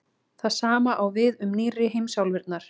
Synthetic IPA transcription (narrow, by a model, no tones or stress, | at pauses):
θaðsaːmaʔawvɪðʏmniːrɪɦejmsjawlvɪɾt̪̚naɾ̥